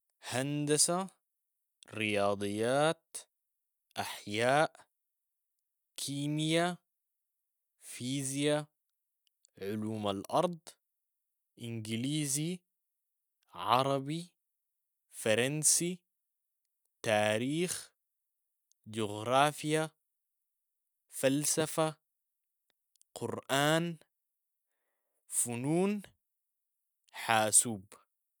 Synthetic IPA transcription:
hand̪asa | ɾɪjɑːd̪ˤɨjːaːt̪ | ʔaħjaːʔ | kʰiːmja | fiːzja | ʕʊluːmalʔɑɾˤd̪ˤ | ʔɪnɡiliːzi | ʕɑ̰ɾˤɑbi | fɑɾˤɑnsi | t̪aːɾiːx | d͡ʒuɣɾˤaːfja | falsafa | qʰʊɾʔaːn | funuːn | ħaːsuːb

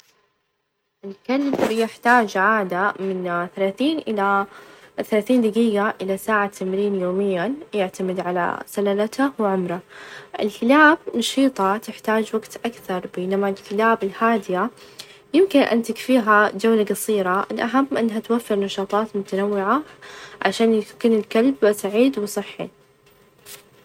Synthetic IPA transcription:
ʔɪlkalbbijɪħt̪aːd͡ʒʕaːd̪amɪnθalaːθiːnʔɪla | θalaːθiːnd̪aɡiːɡaʔɪlasaːʕat̪ʰamɾiːnjoːmɪjːajɪʕt̪amɪd̪ʕala̰salalat̪awɪʕʊmɾaʔɪ̰lkɪlaːb̚nɑʃiːt̪ˤɑt̪ɪħt̪aːd͡ʒwaɡt̪ʔakθɑɾˤbeːnamalkɪlaːbɪlhaːd̪ɪja | jɪmkɪnʔa̰nt̪ɪkfiːɦad͡ʒawlaɡɑsˤiːɾaʔɪ̰lʔaɦamːʔɪnːɦat̪wafːɪɾnɑʃɑːt̪ˤɑːt̪mʊt̪anawːɪʕaʕa̰ʃaːnjkuːnɪlkalbsaʕiːd̪wɪsˤɨħːḭ

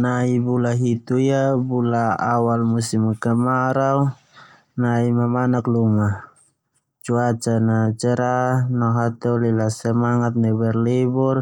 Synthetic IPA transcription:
naibulaɦit̪uijabulaawalmusimkamaɾau | naimamanakluma | t͡ʃuat͡ʃanat͡ʃɛɾanaɦat̪ɛlilasɛmaŋat̪̚nɛbɛrlibɔr

